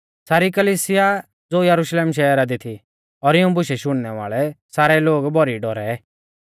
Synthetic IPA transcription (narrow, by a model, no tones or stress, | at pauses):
saːɾikəliːsɪja | d͡zoːjəɾʊʃleːmʃɛəɾad̪ɪt̪ʰi | ɔːɾɪũbʊʃɛʃʊɽ̃nɛʋa̰ːɭɛsaːɾɛloːɡbɔɾiɖɔɾɛ